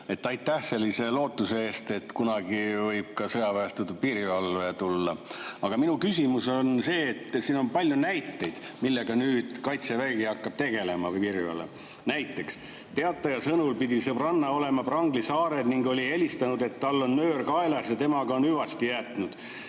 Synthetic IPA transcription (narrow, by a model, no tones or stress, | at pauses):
e̞t̪ːˑɑjt̪ːˑæhse̞lʲːise̞lo̞ːt̪ːˑusee̞ːst̪e̞t̪ːkunɑɡivɤjb̥̚kɑsɤjɑvæst̪ud̪̚piriɑlːet̪ulːɑɑɡ̥ɑminukysʲimuso̞nse̞ːt̪ːsiːno̞npɑlʲjunæjt̪ːe̞jd̪̥ | milːe̞ɡ̥ɑnyːd̪̥kɑjt̪sevæɡiɑkːɑb̥̚t̪e̞ɡ̥e̞le̞mɑvɯjpiriɑ̰lːḛ | næjt̪ˑːe̞ks | t̪e̞ɑt̪ːˑɑjɑsɤnulpid̪isɤbrɑnːɑo̞le̞mɑprɑŋɡlisɑːɾe̞d̪niŋɡo̞lʲie̞lʲist̪ɑnud̪e̞t̪ːɑlːo̞nːøːrkɑe̞lɑsjɑt̪e̞mɑɡɑonyvɑst̪ijæːt̪nud̪̥